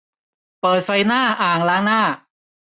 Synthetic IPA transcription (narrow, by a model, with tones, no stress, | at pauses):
pɤː˨˩t̪̚fa˧jnaː˥˩ʔaː˨˩ŋlaː˦˥ŋnaː˥˩